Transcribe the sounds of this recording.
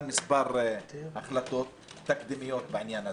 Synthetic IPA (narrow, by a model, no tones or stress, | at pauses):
lmɪsbɑɾˤʔaxlat̪oːt̪ːak̚d̪ɪmɪjːoːt̪̚bɪʕɪnjaːna